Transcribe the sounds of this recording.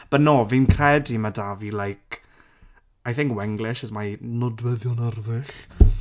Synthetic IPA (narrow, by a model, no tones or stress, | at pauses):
b̥ənoːvinkʰrɛdimadavilajkʰ | ajθɪ̃ŋkwɛŋɡlɪʃəzmanɔdwəðjɔnərðɪɬ